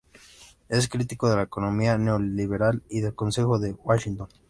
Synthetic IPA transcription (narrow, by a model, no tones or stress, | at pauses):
e̞s̬kɾit̪ikoð̞e̞laekono̞mianeoliβe̞ɾaliðe̞lkonse̞xo̞ðe̞waʃint̪on